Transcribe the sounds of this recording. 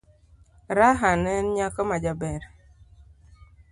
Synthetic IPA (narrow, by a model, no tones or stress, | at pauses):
ɾaɦanɛnɲakɔmad͡ʒabɛɾ